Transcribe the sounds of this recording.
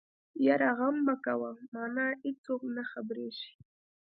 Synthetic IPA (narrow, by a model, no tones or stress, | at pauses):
jaɾaɣamːakawamaːnaːɪt͡soknaxabɾeːʃi̥